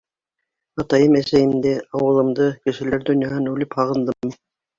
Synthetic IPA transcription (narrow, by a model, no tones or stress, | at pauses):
ɑt̪ɑjɤmæsæjɘ̆md̪æɑwɤ̆lˠɤ̆md̪ɤkɘ̆ʃɘ̆læɾd̪ɵ̆njɑɦɤnʉlɘphɑʁɤ̆nd̪ɤmːi